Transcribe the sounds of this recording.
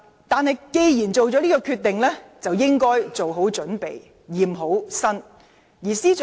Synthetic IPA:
t̪aː˨˧nɦɐ˨jke˧jjiː˨˩nt͡so˨wt͡sɔː˨˥liː˥kɔː˧kʰyː˧t̪ːɪ˨ŋlɛː˥t͡sɐ˨wjɪ˥ŋkɔː˥jt͡so˨wɦo˨˥wt͡ʃɵ˨˥npḛ˨j | jiː˨˩mɦo˨˥wsɐ˥n | jiː˨˩siː˥t͡ʃ

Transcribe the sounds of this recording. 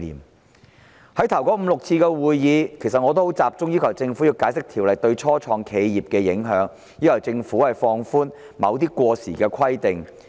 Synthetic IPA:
ḭː˨˩m | hɐ˨˥jt̪ʰɐ˨˩wkɔː˨˥m̩˨˧lʊ˨k̚t͡sʰiː˧kɛː˧wuː˨jːiː˨˧kʰe˨˩sɐ˨t̚ŋɔː˨˧t̪o˥ho˨˥wt͡saː˨p̚t͡sʊ˥ŋji˥kʰɐ˨˩wt͡sɪ˧ŋfu˨˥ji˧wkaː˨˥jsɪ˥k̚t̪ʰiː˨˩wlɐ˨jt̪ɵ˧ɥt͡sʰɔː˥t͡sʰɔː˧ŋkʰe˨˧jjiː˨p̚kɛː˧jɪ˨˥ŋɦœː˨˧˥ŋ | jiː˥kʰɔ˨˩wt͡sɪ˧ŋfuː˨˥hɐ˨jfɔː˧ŋfuː˥n | mɐ̰˨˧wt̪̬iː˥kʷɔː˧sḭː˨˩kɛː˧kʰɐ˥jt̪ɪ˨ŋ

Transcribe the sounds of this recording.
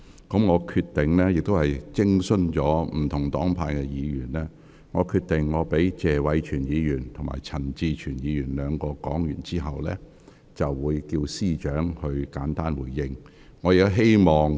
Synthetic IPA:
kɔ˨˥mŋɔː˨˧kʰyː˧t̪ɪ˨ŋlɛː˥jɪ˨k̚t̪o˥whɐ˨jt͡sɪ˥ŋsɵ˥nt͡ʃɔː˨˥m̩˨˩t̪ʰʊ˨˩ŋt̪ɔː˨˥ŋpʰaː˧jkɛː˧jiː˨˧jyː˨˩nlɛː˥ | ŋɔː˨˧kʰyː˧t̪̚ɪ˨ŋːɔː˨˧pe˨˥jt͡sɛː˨wɐ˨˧jt͡ʃʰyː˨˩njiː˨˧jyː˨˩nt̪ʰʊ˨˩ŋma̰ː˨˩jt͡sʰɐ˨˩nt͡siː˧t͡ʃʰyː˨˩njiː˨˧jyː˨˩nlœː˨˧ŋkɔː˧kɔː˨˥ŋjyː˨˩nt͡siː˥ɦɐ˨wlɛ̰ː˥ | t͡sɐ˨wwuː˨˧jkiː˧wsiː˥t͡ʃœː˨˥ŋhɵ˧ɥkaː˨˥nt̪aː˥nwuː˨˩jːɪ˧ŋː | ɔː˨˧ji˨˧ɦe˥jmɔː˨ŋ

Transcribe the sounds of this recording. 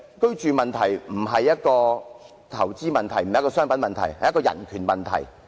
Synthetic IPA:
kɵ˥ɥt͡ʃyː˨˧mɐ˨nt̪ʰɐ˨˩jm̩˨˩ɦɐ˨jːɐ˥t̚kɔː˧ | t̪ʰɐ˨˩wt͡siː˥mɐ˨nt̪ʰɐ˨˩jm̩˨jkɔː˧sœː˥ŋpɐ˨˥nmɐ˨nt̪ʰɐ˨˩jhɐ˨jɐ˥kɔː˧jɐ̰˨˩nkʰyː˨˩nmɐ˨nt̪ʰɐ̰˨˩j

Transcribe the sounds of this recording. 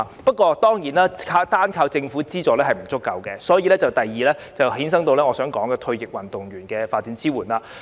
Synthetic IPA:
pɐ˥t̚kʷɔː˧t̪ɔː˥ŋjiː˨˩naː˥kʰaː˧t̪aː˥nkʰaː˧wt͡sɪ˧ŋfuː˨˥t͡siː˥t͡sɔː˨˩lɛː˥ɦɐ˨jm̩˨˩t͡sʊ˥kːɐ˨wkɛː˧sɔː˨˥jiː˧lɛː˥t͡sɐ˨˩wt̪ɐ˨jjiː˨˩lɛː˥t͡sɐ˨whiː˨˥ns̬ɐ˥ŋt̪o˧wlɛː˥ŋɔː˨˧sœː˨˥ŋkɔː˨˥ŋkɛː˧t̪ʰɵ˧ɥjɪ˨k̚wɐ˨˩nt̪ʊ˨ŋɥyː˨˩nkɛː˧faː˧t̚t͡siː˨˥nt͡sʰiː˥wuː˨˩nlaː˧

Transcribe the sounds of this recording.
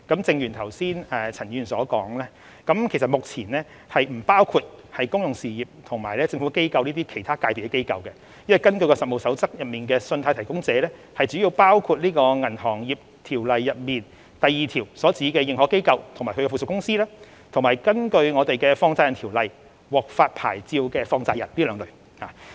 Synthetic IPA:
kɐ˨˥mt͡sɪ˧ŋjyː˨˩nt̪ʰɐ˨˩wsiː˥nɛ˨t͡sʰɐ˨˩njyː˨˧nsɔː˨˥kɔ̰ː˨˥ŋlɛː˥ | kɐ˨˥mkʰe˨˩s̬ɐ˨t̚mʊ˨k̚t͡sʰiː˨˩nɛː˥ | hɐ˨jm̩˨˩paː˥wkʰuː˧t̚hɐ˨jkʊ˥ŋjʊ˨ŋsiː˨jiː˨p̚t̪ʰʊ˨˩ŋmaː˨˩jlɛː˥t͡sɪ˧ŋfu˨˥ke˥jkɐ˧wniː˥t̪iː˥kʰe˨˩jt̪ʰaː˥kaː˧jpʰi˨˩kɛ˧ke˥jkɐ̰˨˧wkɛ˧ | jɐ˥nwɐ˨jkɐ˥nkɵ˧ɥkɔː˧sɐ˨t̚mo˨wsɐ˨˥wt͡sɐ˥k̚jɐ˨t̚miː˨nkɛː˧sɵ˧nt̪ʰaː˧jt̪ʰjkʊ˥ŋt͡sɛː˨˧˦lɛː˥ | hɐ˨jt͡syː˨˥ji˧wpaː˥wkʰuː˧t̚liː˥kɔː˧ŋɐ˨˩nhɔː˨˩ŋjiː˨p̚ | t̪ʰiː˨˩wlɐ˨jːɐ˨t̚miː˨˩n | t̪ɐ˨jːiː˨t̪ʰiː˨˩wsɔː˨˥t͡siː˨˥kɛː˧jɪ˨ŋhɔː˨˥ke˥jkɐ˧wt̪ʰʊ˨˩ŋmaː˨˩kʰɵ˧kɛ˧fu˨skʊ˥ŋsiː˥lɛː˥ | t̪ʰŋmaː˨˩jkɐ˥nkɵ˧ɥŋɔː˨˧t̪e˨jkɛ˧fɔː˧ŋt͡saː˧jɐ˨˩nt̪ʰiː˨˩wlɐ˨j | wɔː˨˩k̚faː˧t̚pʰa̰ː˨˩jt͡siː˧wkɛː˧fɔː˧ŋt͡saː˧jɐ̰˨˩nliː˥lœː˨˧ŋlɵ˨˩ | ha̰ː˨

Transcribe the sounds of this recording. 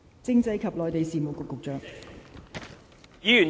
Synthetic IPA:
t͡sɪ˥ŋt͡sɐ˧jkʰɐ˨p̚lɔː˨jt̪e˨jsiː˨˩mo˨wkʊ˨˧kːʊ˨k̚t͡ʃœː˨ŋ | jiː˨˥yː˨˩n

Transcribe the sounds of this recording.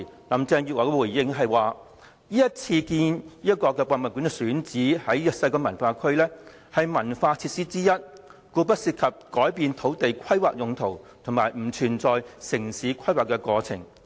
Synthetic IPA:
lɐ˨˥mt͡sɛː˧ŋjy˨waː˨˩kɛ˧wu˨˩jːɪ˧ŋɦɐ˨jwaː˨˩ | jiː˥jɐ˥t̚t͡sʰiː˧kiː˧njiː˥jɐ˥t̚kɔː˧kɛː˧pwaː˧nmɐ˨˩ky˨˥nŋkɛ˧syː˨˥nt͡siː˨˥hɐ˨˥jjœː˨k̚sɐ˧jkɔː˧mɐ˨˩nfaː˧kʰɵ˥ɥlɛː˥ | hɐ˨jmɐ˨˩nfaː˧t͡sʰiː˧t̚siː˥t͡siː˥jɐ˥t̚kuː˧p̬ɐ˥t̚siː˧t̚kʰɐ˨p̚kɔː˨˥jpiː˨˧nt̪ʰo˨˥wt̪e˨jkʰɐ˥jwaː˨k̚jʊ˨ŋt̪ʰo˨˩wt̪ʰʊ˨˩ŋmaː˨jm̩˨˩t͡ʃʰyː˨˩nt͡sɔː˨jsɪ˨˩ŋsiː˨˥kʰɐ˥jwaː˨˩kːɛː˧kɔː˧t͡sʰɪ˨˩ŋ

